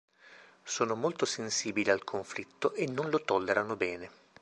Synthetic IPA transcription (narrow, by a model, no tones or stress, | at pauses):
soːnomolt̪osensiːbilialkʰoɱflit̪ːoʔenːonlot̪ɔlːeɾanobɛːne